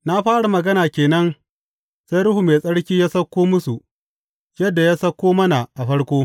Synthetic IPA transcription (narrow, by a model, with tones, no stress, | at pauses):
na˦ɸaː˦ɽa˨mɐ˨ɡɐ˦naː˨kʲeː˨nɐ˦n | sa˦jɾʊ˦hu˨meː˨sʼɐ˦ɽkʲiː˦jaː˦sɐ˦kʷːoː˦mʊ˦su˨ | jɐ˦dːa˨jaː˦sɐ˦kʷːoː˦mɐ˦na˨ʔa˨ɸɐ˦ɽkʷoː˦